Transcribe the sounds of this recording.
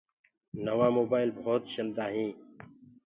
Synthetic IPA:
nəʋãːmoːbaːɪlbʱoːt̪ɕəld̪aːɦĩː

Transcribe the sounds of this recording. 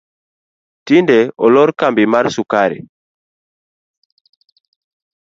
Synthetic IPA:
tindɛɔlɔɾkambimaɾsukaɾḭ

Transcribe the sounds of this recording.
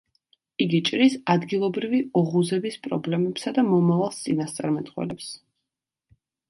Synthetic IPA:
iɡit͡ʃʼɾisad̪ɡilˠɔbɾiviɔʁuzɛbispʼɾɔ̰blɛmɛpsad̪amɔmavalˠst̪sʼinast̪sʼa̰ɾmɛt̪ʼχwɛ̰lɛps

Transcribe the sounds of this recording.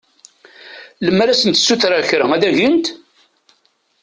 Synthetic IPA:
ləmːɾæsənt̪sːuθɾaçɾəŋæðæʝənt̪

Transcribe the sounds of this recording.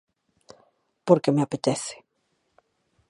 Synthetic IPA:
poɾkemeapet̪eθe̥

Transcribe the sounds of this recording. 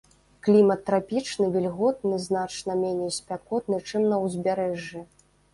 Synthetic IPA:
klʲimɐt̪ːɾapʲit͡ʂnɨvʲilʲɣɔt̪̚nɨznat͡ʂnɐmʲenʲejsʲpʲakɔt̪nɨt͡ʂɨmnɐwzʲbʲaɾɛʐjɛ

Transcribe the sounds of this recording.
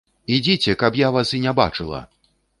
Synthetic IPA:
id͡zʲit͡sʲɛkɐpjavasinʲaba̰t͡ʂɨlˠɐ̰

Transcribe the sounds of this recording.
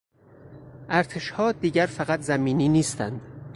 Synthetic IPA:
ʔæɾt̪ʰe̞ʃhɒːd̪iːɟæɾfæɣæt̪ʰzæmiːniːniːst̪æ̰nd̪̥

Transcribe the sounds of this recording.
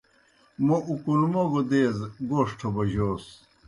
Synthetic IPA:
moʔukuɾumoɡod̪eːzɡoːʂʈʰobɐʑoːs

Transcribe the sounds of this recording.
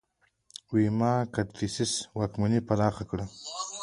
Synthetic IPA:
wimɑkat̪ɾisɪswakmunipanɑxakɽa

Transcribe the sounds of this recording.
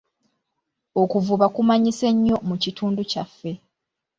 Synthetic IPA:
okuvuβakumaɲise̞ɲːo̞mucitʰuːnducafːe̞

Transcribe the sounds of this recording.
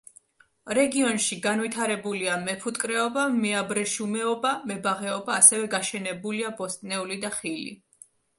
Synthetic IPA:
ɾɛɡiɔnʃiɡanwit̪ʰaɾɛbuliamɛpʰut̪ʼkʼɾɛɔbamɛabɾɛʃumɛɔbamɛbaʁɛɔbaːsɛvɛɡaʃɛnɛbuliabɔst̪ʼnɛulid̪aχilḭ

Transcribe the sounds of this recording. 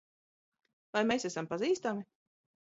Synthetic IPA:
vajmeːsæsampaziːst̪ami

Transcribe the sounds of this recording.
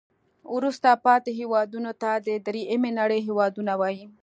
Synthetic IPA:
ɾust̪apɑt̪eɦewɑd̪unot̪ad̪əd̪ɾiʔemenaɽeɦewɑd̪unawɑji

